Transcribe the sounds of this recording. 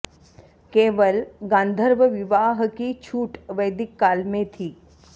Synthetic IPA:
keːʋəlɡãːnd̪ʱəɾʋəʋɪʋaːɦkit͡ʃʰuːʈʋəjd̪ɪkːaːlmẽt̪ʰiː

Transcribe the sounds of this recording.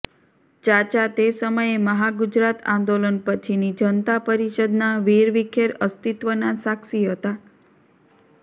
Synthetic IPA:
d͡ʒat͡ʃat̪esəməjeməɦaɡud͡ʒɾat̪ã̰nd̪olənpət͡ʃʰinid͡ʒənt̪apəɾiʃəd̪naʋiɾʋikʰeɾəst̪it̪ʋənasakʃiɦət̪a

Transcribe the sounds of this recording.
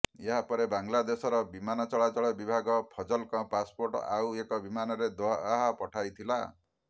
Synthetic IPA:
eɦapɔɾebaŋlad̪esɔɾɔbimanɔt͡ʃɔɭat͡ʃɔɭɔbibʱaɡɔpʰɔd͡ʒɔlkɔ̃paspoɾʈɔ̰awekɔbimanɔɾed̪ɔɦapɔʈʰajt̪ʰila̰

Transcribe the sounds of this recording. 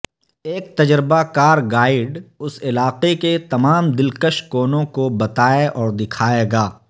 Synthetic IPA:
eːk̚t̪ɐd͡ʒɾɪbakaːɾɡaːɪɖʊsɪlaːqeket̪ɐmaːmd̪ɪlkəʃkoːnõkobɐt̪aːeʔɔːɾd̪ɪkʰaːeːɡaː

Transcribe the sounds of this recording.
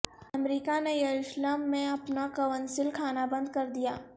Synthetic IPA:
ɐmɾiːkanejɐɾʊʃlaːmːẽɐpnakɐʋənsɪlkʰaːnabɐ̃nd̪̚kɐɾd̪ijaː

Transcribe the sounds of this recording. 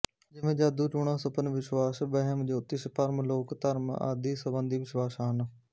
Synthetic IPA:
d͡ʒɪʋẽːd͡ʒaːd̪uːʈuːɳãːsəpənʋɪʃwaːsbəɦəmd͡ʒoːt̪ːɪspəɾmloːkt̪əɾma̰ːd̪iːsəbənd̪iːʋɪʃwaːsaːən

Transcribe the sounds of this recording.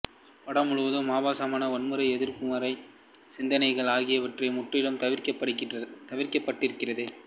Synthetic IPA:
pɐɽɐmːʊɻɯʋɐðɯmːaːʋaːsɐmaːnɐɔnmɯɾɐɪɛðɪɾpʊmɐɾɐɪ | sɪnd̪ɐnɐɪɣɐɭaːɣɪjɐʋɐʈrɐmʊʈrɪɽɐmt̪ɐʋɪkɐɐt̪ɐʋɪɾkɐpːɐʈːɪɾɯkːɪrɐðɯ

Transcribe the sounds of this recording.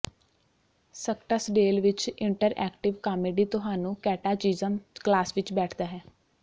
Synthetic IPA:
səkʈasɖeːlʋɪt͡ʃɪ̃ɳʈəɾɛ̰ːkʈɪʋkaːmeːɖiːt̪ʊɦaːnũːkɛːʈaːt͡ʃiːzəmklaːsʋɪt͡ʃbɛːʈʰd̪aːɦɛː

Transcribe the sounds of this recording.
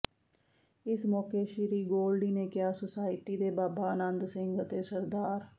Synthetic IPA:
ɪsmɔːkeːʃɪɾiːɡoːlɖiːneːkɪjaːsəsaːɪʈiːd̪eːbaːbaːənənd̪sɪ̃ŋɡət̪eːsəɾd̪aːɾ

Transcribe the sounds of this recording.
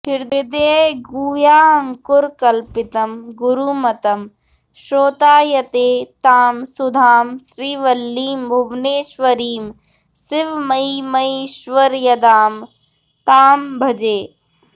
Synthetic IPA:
pʰɪɾdɪd̪eːɡuːjaːɐŋkʊɾkɐlpɪt̪ɐmɡʊɾuːmɐt̪ɐm | ʃɾoːt̪aːjɐt̪eːt̪aːmsʊd̪ʱaːmʃɾiːʋɐlːiːmbʱubʱneːʃʋɐɾiːm | sɪʋmɐimɐiʃʋɐɾjɐd̪aːm | t̪aːmbʱɐd͡ʒeː

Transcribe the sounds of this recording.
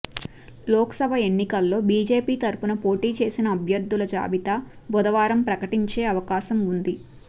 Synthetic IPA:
lɔːksɐbʱɐe̞nːikɐlːo̞ːbiːd͡ʒe̞ːpiːt̪ɐɾupunɐpo̞ːʈiːt͡ʃe̞ːsinɐːbʱjɐɾd̪ʱulɐd͡ʒa̰ːbit̪ɐ | bɔd̪ɐʋaːɾɐmpɾɐkɐʈiɲt͡ʃe̞ːɐʋɐkaːʃɐmund̪i

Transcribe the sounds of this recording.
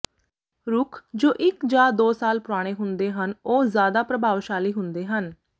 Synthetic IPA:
ɾʊkʰd͡ʒoːʔɪkd͡ʒaːd̪oːsaːlpʊɾaːɽ̃eːɦʊnd̪eːɦənoːzjaːd̪aːpɾəbʱaːʋʃaːliːɦʊnd̪eːɦən

